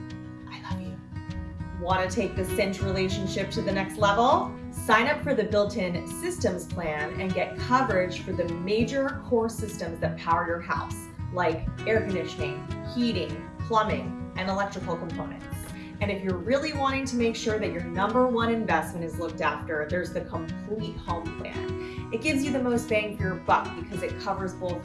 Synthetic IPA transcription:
ʔaɪami | wɑ̃ɾ̃ɨtʰeɪk̚ðɨsɛ̃nt͡ʃɹileɪʃɨ̃n̩ʃɪp̚tʰɨðɨnɛkstˡlɛvl̩ˠ | sãɪ̃ñʌpfə˞ðɨbɪlˠtʰɪ̃nsɪstɨ̃mz̥pʰl̥æ̃nɨ̰̃nɡɛt̚kʰʌvə˞ɪ̥ʒ̥fə˞ðɨmeɪd͡ʒə˞kʰɔɹsɪstɨ̃mzðɨt̚pʰaʊə˞jə˞ha̰ʊs | laɪkɛɹkɨ̃nɪʃɨnɪ̃ŋhiɾɪ̃ŋ | pʰl̥ʌmɪ̃ŋʔɨ̃nəlɛk̚tɹ̥ɨkl̩ˠkʰə̃m̩pʰõʊ̃nɨ̰̃nt | ɨ̃ñɨfjə˞ɹɪlˠiwɑ̃ɾ̃ɪ̃ŋtʰɨmeɪkʃʊɹðɨt͡ʃə˞nʌ̃mbə˞wʌ̃ɾ̃ɨ̃ɱvɛstmɨ̃ñ̩tɨzlʊk̚tæftə˞ðə˞zðɨkʰə̃mpʰl̥it̚hõʊ̃mpʰl̥æ̰̃n | ɨt̚ɡ̥ɪvzjɨðɨmoʊst̚v̥æ̃ŋklə˞bʌk̚b̥ɨkʰʌzɨt̚kʰʌvə˞zbolˠ

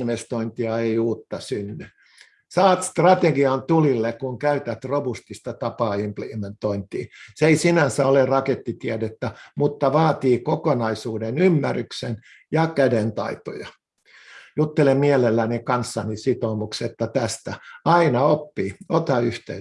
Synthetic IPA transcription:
nʋest̪oint̪iɑeiuːt̪ːɑsynːy | sɑːt̪st̪rɑt̪eɡiɑnt̪ulilːekuŋkæyt̪æt̪robust̪ist̪ɑt̪ɑpɑːimpliʋent̪oint̪iːseisinænsæolerɑket̪ːit̪iædet̪ːæmut̪ːɑʋɑːt̪iːkokonɑisuːdenymːærˑyksen | jɑkædent̪ɑ̰it̪o̰jɑ | jut̪ːelemmiælelːænikɑnsːɑnisit̪omukset̪ːɑt̪æst̪æɑinɑopːiːot̪ɑyht̪ḛ

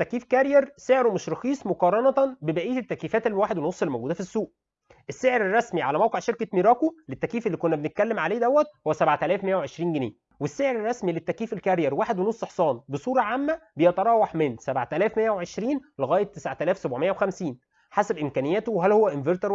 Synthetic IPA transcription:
t̪ːækːiːfkæɾjɑɾseʕɾomoʃɾɑxiːsˤmoqɑːɾˤɑnɑt̪bebæʔiːt̪et̪ːækiːfæːt̪elːwaːħed̪wenosˤːelmoɡuːd̪æfisːuːʔ | ʔesːeʕeɾerˤːɑsmiʕalæmæwqeʕʃeɾkæmiːɾɑːkolet̪ːækiːfelːiːkonːæbenet̪̚kælːemʕaleːd̪æwːæt̪̚howːæsæbʕt̪ælæːfmejːæwʕeʃɾiːnɡeneː | wesːeʕeɾerˤːɑsmilet̪ːækiːfelkæɾjɑɾwaːħed̪wenosˤːʔeħsˤɑːnbesˤuːɾˤɑʕamːæbejæt̪ɑɾˤɑːwɑħmensæbʕt̪ælæːfmejæweʕeʃɾiːnleɣæːjet̪ːesʕt̪ælæːfsæbʕomejːæwexæmsiːn | ħasæbʔemkæːnejːæːt̪owɦælhowːæʔenveɾt̪ɑɾ

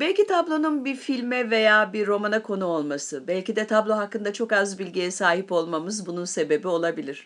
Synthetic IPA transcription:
bɛlʲcit̪ʰablˠo̞nunbiɾfilʲmɛve̞jaːbiɾːo̞manakʰo̞nuo̞lˠmasɯbælʲcid̪ɛt̪ʰablˠo̞ɦakːɯnd̪at͡ʃʰo̞kazbilʲɟijɛsaːɦipo̞lˠmamɯzbununse̞be̞bio̞lˠabilʲiɾ̥

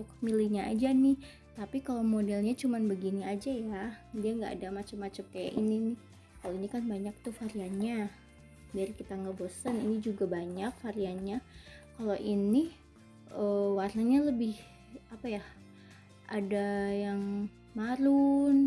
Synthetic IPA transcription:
t̪ʊkmiliɲaa̰d͡ʒanɪh | t̪apikalomodɛlɲat͡ʃumanbəɡiniad͡ʒajadiaŋɡa̰ːdamat͡ʃamːat͡ʃamkaja̰ʔḭninɪh | kaloinikanbaɲak̚t̪ufaɾianɲa | biarkit̪aŋɡabosəninid͡ʒuɡabaɲak̚faɾianɲakaloʔini | ʔəwarnaɲaləbɪh | apaja | ʔadajaŋ | maɾun

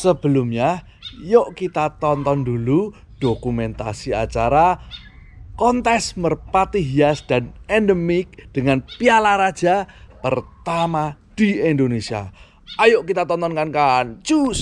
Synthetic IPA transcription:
səb̥əlumɲa | joʔkit̪at̪ɔnt̪ɔndulu | d̥okumɛnt̪a̰siat͡ʃaɾa | kɔnt̪ɛsmərpat̪iɦiasd̥anɛndəmɪk̚d̥əŋanpialaɾad̥d͡ʒ̥apərt̪ama | d̥iindonesia̰ | ajoʔkit̪at̪ɔnt̪ɔnkankant͡ʃus

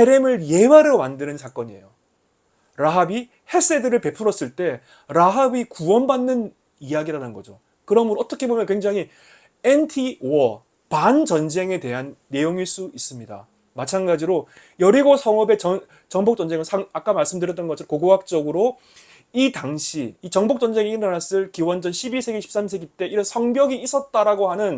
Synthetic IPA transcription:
eɾemɯɭje̞waɾɯomandɯnɯnsʰak͈ʌɲie̞̰jo | ɾaɦabi | he̞s͈e̞dɯɾɯɭpe̞pʰuɾʌs͈ɯɭt͈e̞ | ɾaɦabikuwʌnbanːɯn | ijaɡiɾanɯnɡʌd͡ʑo | kɯɾʌmɯnʌt͈ʌkʰe̞bomjʌnkweŋd͡ʑaŋɦi | entʰiwʌ | pant͡ɕʌnd͡ʑe̞ŋe̞te̞ɦanːe̞joŋiɭs͈uis͈ɯmɲida̰ | mat͡ɕʰanɡad͡ʑiɾo | jʌɾiɡosʰʌŋʌbe̞t͡ɕʌn | t͡ɕʌŋbok̚t͡ɕ͈ʌnd͡ʑe̞ŋɯɭsʰaŋak͈amaɭs͈ɯmdɯɾjʌt͈ʌnɡʌt͡ɕʰʌɾokoɡoɦak̚t͡ɕ͈ʌɡɯɾo | itaŋɕʰiːt͡ɕʌŋbok̚t͡ɕ͈ʌnd͡ʑe̞ŋeiʌnas͈ɯɭkiwʌnd͡ʑʌnɕʰibiɭsʰe̞ɡeɕʰi̥ps͈amsʰe̞ɡet͈e̞iɾʌnsʰʌŋbjʌɡiis͈ʌt̚t͈aɾaɡohanɯn

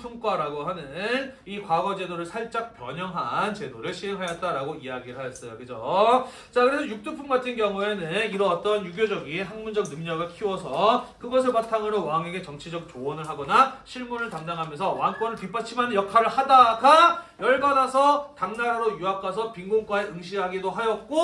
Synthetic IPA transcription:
sʰoŋk͈aɾaɡoɦanɯnikwaɡʌd͡ʑe̞doɾɯɭsʰaɭt͡ɕ͈ak̚pjʌɲʌŋɦant͡ɕe̞doɾɯɭɕʰieŋɦajat͈aɾaɡoiaɡiɾɯɭɦajʌs͈ʌjokɯd͡ʑo | t͡ɕakɯɾe̞sʰʌjuk̚t͈ɯpʰummatt͡ɕʰinkjʌŋue̞nɯniɾʌwat̚t͈ʌnjuɡjod͡ʑʌɡiɦaŋmund͡ʑʌk̚nɯmɲʌɡɯɭkʰiwʌsʰʌkɯɡʌsʰɯɭpatʰaŋɯɾowaŋeɡe̞t͡ɕʌŋt͡ɕʰid͡ʑʌk̚t͡ɕowʌnɯɭɦaɡʌnaɕʰiɭmunɯɭtaŋdaŋɦamjʌnsʰʌwankwʌnɯɭpip͈at͡ɕʰimanjʌkʰaɾɯɭhadaɡajʌɭɡanasʰʌtaŋnaɦaɾojuakʰasʰʌpiŋɡoŋk͈waeɯŋɕʰiɦaɡidoɦajʌt̚k͈o

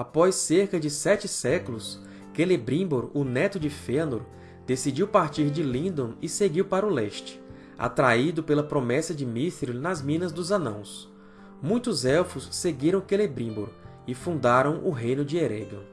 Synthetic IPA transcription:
apɔjsːeɾkɐd͡ʒɪsɛt͡ʃɪsɛkʊlʊs | kelebɾĩboɾʊnɛt̪ʊd͡ʒɪfenoɾ | d̪̥esid͡ʒiwpaɾt͡ʃiɾd͡ʒɪlĩnd̪õɪseɡiwpaɾɐʊlɛʃt͡ʃɪ̥ | a̰t̪ɾaid̪ʊpelɐpɾomɛsɐd͡ʒɪmist̪ɾinɐzmĩnɐzd̪ʊzɐ̃nɐ̰̃w̃s | mũj̃t̪ʊzɛwfʊsːeɡiɾɐ̃w̃kelebɾĩboɾ | ɪfũnd̪aɾɐ̃w̃ʔʊɦejnʊd͡ʒɪeɾɛ̰̃ɡ̪ɐ̰

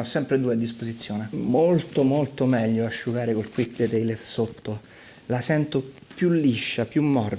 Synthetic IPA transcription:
ɔsːɛmpɾed̪uːead̪ːispozit̪sːjoːnemolt̪omolt̪omɛʎːoaʃːuɡaːɾekolkwik̚d̪et̪ejlersot̪ːo | lasɛnt̪o | pjulːiʃːapjumːɔr

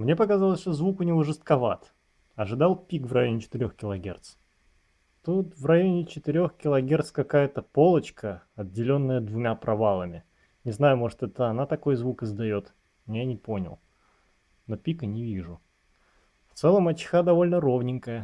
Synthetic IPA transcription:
mnʲe̞pəkazɑlˠəsʲʂt̪ozvukʊnʲɪvoʐɨst̪kɐvat̪ | ɐʐɨd̪ɑlˠpʲikvrɐjo̞nʲɪt͡ɕɪ̥t̪ɪɾʲo̞xkʲɪlˠɐɡʲe̞̰rt̪s | t̪ut̪vrɐjo̞nʲɪt͡ɕɪt̪ɪɾʲo̞xkʲɪlˠɐɡʲe̞rt̪skɐkajət̪əpo̞lˠət͡ɕkəɐddʲːɪlʲo̞nːəjəd̪vʊmʲapɾɐvalˠəmʲɪ | nʲɪznajʊmo̞ʐɨt̪ɛt̪əɐnat̪ɐko̞jzvukɨzd̪ɐjo̞t̪ | mʲjanʲɪpo̞nʲɪ̰lˠ | nopʲikənʲɪvʲiʐʊ | ft̪sɛlˠəmɐt͡ɕɪ̥xad̪ɐvo̞lʲnəɾo̞vnʲɪŋkəjə

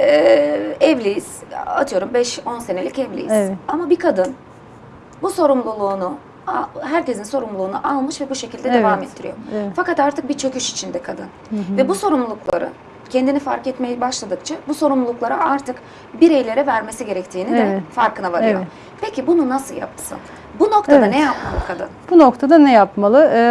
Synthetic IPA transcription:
ɛvlʲijiz̥a̰t̪ʰɯjo̞ɾumbɛʃo̞nse̞ne̞lʲicɛvlʲḭjiz̥amabikʰad̪ɯn | buso̞ɾumlˠulˠuːnu | aɦæɾcezinso̞ɾumlˠuːnṵʔalˠmɯʃvɛbuʃe̞cilʲd̪ɛd̪evaːmet̪ʰːiɾḭjo̞̰fakat̪aɾt̪ʰɯk̚bit͡ʃʰøkyʃi̥t͡ʃʰind̪ɛkʰad̪ɯn | vɛbuso̞ɾumlˠulˠuklˠa̰ɾɯ̰ | cʰɛnd̪inifaɾkɛt̪me̞jibaʃlˠad̪ɯkt͡ʃʰabuso̞ɾumlˠulˠuklˠaɾɯaɾt̪ʰɯk | biɾejlʲe̞ɾɛvæɾme̞siɟe̞ɾɛct̪ʰiːnid̪ɛfaɾkʰɯnavaɾjo̰ | pecʰibununasɯlˠja̰p̚sɯ̰n | buno̞kt̪ad̪anɛjap̚ma̰lˠɯkʰad̪ɯ̰nb̥uno̞kt̪ʰad̪anɛjapmalˠɯ

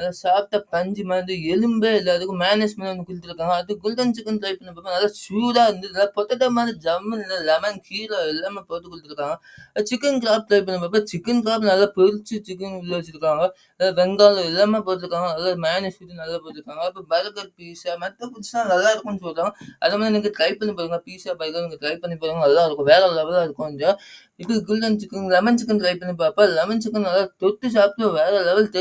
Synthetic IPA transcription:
ɐðasaːp̚ʈ̪ːapɐɲd͡ʒimaːnd̪ɯɛlɯmbeːɪlːaːðɯkːɯ̃maːnesmɐnnːɯkːʊɽʈ̪ːɯɾɯkːaːŋɡɐːðɯɡʊlt̪ɐnt͡ʃɪkːɐnʈɾɐɪpːɐnːɐpɐːpːɐnɐlːasuːɾaːɪɾɯnd̪ɯnɐlːapɔt̪ːɐʈːɐmaːðid͡ʒɐmːɐnɪlːɐɪlːaːmekʰiːloɛlːaːmeːpoːʈ̪ːɯkɔɭʈːɪɾɯkːaːŋɡɐ | t͡ʃɪkːɐnkɪɾaːp̚ʈɾɐɪp̬ːɐnːɐpɐp̬ːɐt͡ʃɪkːɐnkɾaːp̬nɐlːaːpɛɾɯt͡ʃːɯt͡ʃɪkːɐnlːoːt͡ʃːɪɾɯkːaːŋɡɐ | ɐlːaʋɛŋɡaːlɐ̃ɪlːaːmeːpoːʈːɪɾɯkːaːŋɡɐɐlːaːmaːnɪsfuʈːɯnɐlːaːpoːʈɪɾɯkːaːŋɡɐɪpːɐbɐɾɐbɐɾpiːsamɐt̪ːɐpʊɾɯt͡ʃːãːnɐlːaːɪɾɯkːʊnːsɔlrːãːŋɡɐʔɐ̰ðemaːðiniːŋɡɐʈɾɐɪpɐɳːipːaːɾɯːŋɡɐpiːsaːbɐːkɐlniːŋɡɐʈɾɐɪjppːɐɳːipːaːɾɯːŋɡɐɛlːãːɪɾɯkːʊ̃ʋeːɾɛlɛʋɐlaːɪɾɯkːʊ̃na | ɪpːɐɡɪlːɐnt͡ʃɪkːɐnɡlɛmɐnt͡ʃɪkːɐnʈɾɐɪpːɐɳːip̬ːaːpːɐlɛmɐnt͡ʃɪkːɐnnɐlːaːt̪ɔʈːɯs̬aːpɪʈːʊ̃ʋeːɾɛlɛʋɐlt

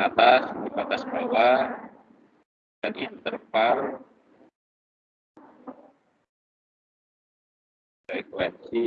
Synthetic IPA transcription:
at̪asdibat̪asbawa | danint̪ərpal | ɛkuwɛnsi

